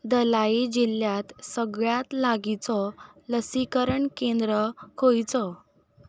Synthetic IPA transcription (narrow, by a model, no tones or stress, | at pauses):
d̪əlaid͡ʑiljat̪səɡɭjat̪laɡit͡sɔ | ləsikəɾəɳkend̪ɾəkʰojt͡sɔ